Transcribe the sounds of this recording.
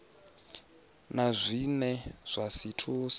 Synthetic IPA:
nazʷinɛz̥ʷasitʰuːs

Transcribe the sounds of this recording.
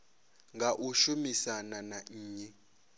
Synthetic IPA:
ŋɡaʔuʃumisananaːɲɛ

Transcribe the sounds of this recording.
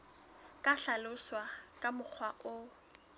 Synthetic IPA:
kʼaɬalʊswakʼamʊk͡xʰwaʔʊ

